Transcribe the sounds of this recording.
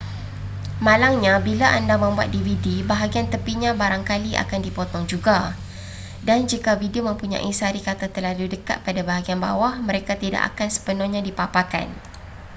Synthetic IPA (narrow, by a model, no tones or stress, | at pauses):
mãlaŋɲãbilaʔandamə̃mbua̰t̪̚dividibaɦaɡiant̪əpiɲãbaɾaŋkaliʔa̰kandipɔt̪ɔŋd͡ʒuɡa | dand͡ʒikavidiomə̃mpuɲã̰ʔisaɾikat̪at̪əlaludəka̰t̪̚padabaɦaɡianba̰wahməɾekat̪ida̰ʔa̰kansə̥pənɔɲãdipapaka̰n